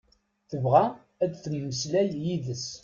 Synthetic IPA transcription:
θəvʁæ | æd̪θəmːəslæljiðəs

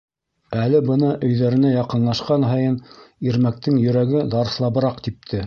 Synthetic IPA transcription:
ælɘbɤnɤʔɵ̆jðæɾɘ̆næjɑqɤ̆nlˠɑʃqɑnɦɑjɤniɾmæk̚t̪ɘŋjɵ̆ɾæɡɘd̪ɑɾ̆slˠɑβɤ̆ɾɑqt̪ip̚t̪ʰɘ

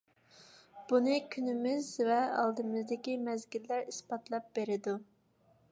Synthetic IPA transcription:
b̥unɨkʲʰynɪmɪzvɛɑ̰lˠd̪ɨmɨzd̪ɪkʲimɛzɡʲilːæɾispɑt̪lˠɑp̚beɾɪd̪u

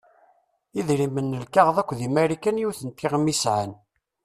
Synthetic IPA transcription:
iðɾimənːəlkaʁðˤækʷːðimæɾikænjuθənt̪ːiʁmisʕan

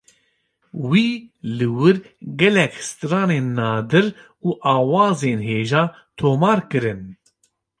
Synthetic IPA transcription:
wiːlɨwɨɾ | ɡɛlɛkhst̪ɨɾɑːneːnːɑːd̪ɨɾ | uːʔɑːwɑːzeːnɦeːʒɑː | t̪ʰoːmɑːɾkɨɾɨn

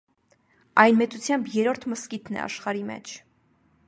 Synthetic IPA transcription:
ɑjnmɛt͡sut͡sʰjɑmbjɛɾɔɾt̪ʰməskit̪ʰnɛ̰ɑ̰ʃχɑɾimɛ̰t͡ʃʰ

